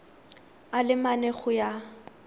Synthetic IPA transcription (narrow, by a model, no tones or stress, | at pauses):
alɪmanɛχʊja